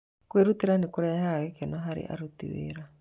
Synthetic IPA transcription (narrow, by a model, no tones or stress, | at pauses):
kweɾutiɾanekuɾɛhaɣekenɔɦaɾḭʔa̰ɾut̪ḭwḛɾa